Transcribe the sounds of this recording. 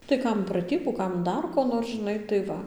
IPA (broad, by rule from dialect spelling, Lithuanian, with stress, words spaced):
tɐɪ ˈkɐm prɐˈtʲiːbuː ˈkɐm ˈdɐr koː ˈnoːr ʒʲɪˈnɐɪ tɐɪ ˈʋɐ